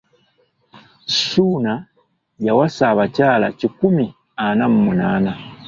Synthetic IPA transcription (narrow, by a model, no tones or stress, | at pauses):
ʃuna | jawasaβacaːla̰cikumi | anam̩munaːna